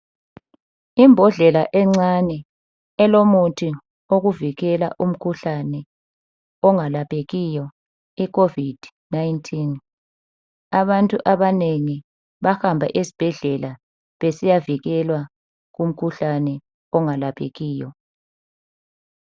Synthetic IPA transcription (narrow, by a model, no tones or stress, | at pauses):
imbʱɔɮɛlaʔɛŋ͡ǀanɛ | ɛlomutʰʼi | oɣuviɣɛla̰ʔum̩kʰuɬanɛ | ɔŋalapʰʼeɣijɔ | ikʰovid̥ʱ | najntʰin | aβantʼuʔaβaneŋi | βahambʱa̰ʔesi̥b̥ʱɛɮɛla | βesijaviɣɛlwa | ɣum̩kʰuɬanɛ | ɔŋalapʰḛɣiːjɔ